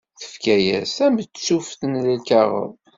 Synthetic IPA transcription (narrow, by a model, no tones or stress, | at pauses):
θə̥fkæjæ̰sæmbsufθənləlkɑʁə̰ðˤ